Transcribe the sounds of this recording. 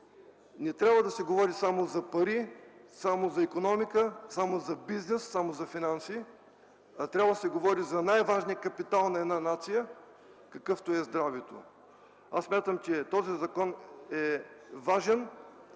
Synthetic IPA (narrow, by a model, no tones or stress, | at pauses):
nɛt̪ɾʲabvəd̪ɐsɛɡovɔɾisamozɐpɐɾisamozɐikonɔmikəsamozɐbiznɛsːamozɐfinansi | ɐt̪ɾʲabvəd̪ɐsɛɡovɔɾizɐnajvaʒnijəkɐpit̪alˠnɐɛd̪nanat̪sijə | kɐkɤft̪oɛzd̪ɾavɛt̪o̰ | asːmʲat̪əmt͡ʃɛt̪ɔzizɐkɔnɛvaʒɛn